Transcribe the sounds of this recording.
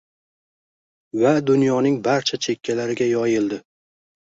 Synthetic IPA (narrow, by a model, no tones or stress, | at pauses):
vad̪ʊnjɒnɪŋbaɾt͡ʃʰat͡ʃʰe̞kʲʰːalaɾɪɡʲajɒjɪld̪ɪ